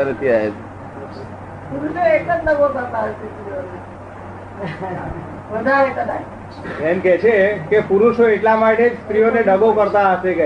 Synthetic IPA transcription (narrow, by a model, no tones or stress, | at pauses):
əɾət̪ʰiaɦet̪ | puɾuʃoeʈləd͡ʒɖəɡokəɾt̪aɦəʃest̪ɾijone | ʋəd̪ʱaɾek̪əd̪a | ɛmkɛt͡ʃʰekepuɾuʃoeʈlamaʈed͡ʒst̪ɾijoneɖəɡokəɾt̪aɦəʃek